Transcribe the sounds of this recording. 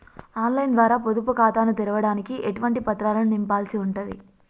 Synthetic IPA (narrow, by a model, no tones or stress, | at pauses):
aːnlɐjnd̪ʋaːɾaːpod̪up̬ukaːt̪aːnut̪ɛɾɐʋɐɽaːnikiʔeʈuʋɐɳʈipɐt̪ːɾaːlɐnunimpaːlsiuɳʈɐnd̪i